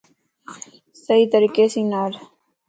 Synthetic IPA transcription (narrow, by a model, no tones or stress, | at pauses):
sɐɦit̪ɐɾiːkeːsiːnaːɾ